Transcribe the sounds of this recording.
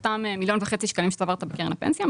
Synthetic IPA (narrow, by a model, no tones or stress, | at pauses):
t̪amemiljo̞nveχe̞t͡siʃkanimet̪avaʁt̪abekenlapḛnsja